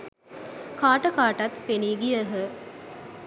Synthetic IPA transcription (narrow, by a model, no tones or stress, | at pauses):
kaːʈɐkaːʈɐt̪peniːɡijəɦə